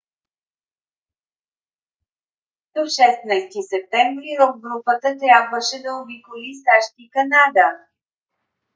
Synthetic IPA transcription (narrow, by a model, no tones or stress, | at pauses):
d̪̥ofʃɛsnəjst̪isɛp̚t̪ɛmvɾiɾovɡɾupət̪ət̪ɾʲjabvəʃɛd̪ɐobikolisaʃt̪ikɐnad̪ə